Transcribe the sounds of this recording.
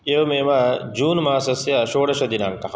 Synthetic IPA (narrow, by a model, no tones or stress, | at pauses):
emeːmad͡ʒuːnmaːsɐsjaʃoːɽɐʃɐd̪inaːŋkɐ